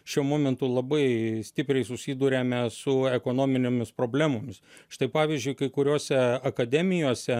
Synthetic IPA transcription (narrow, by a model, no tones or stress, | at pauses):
ʃʲuɔmoːmʲɛnt̪ʊlˠɐbɐɪsʲt̪ʲɪpʲɾʲɛɪsʊsʲiːd̪uːɾʲeːmʲɛsʊɛkoːnoːmʲɪnʲeːmʲɪspɾoːbʲlʲæːmoːmʲɪsʃɪt̪ɐɪpɑːʋʲiːzʲd͡ʒʲʊɪkɐɪkʊɾʲoːsʲɛɐkɐd̪ʲɛːmʲɪjoːsʲɛ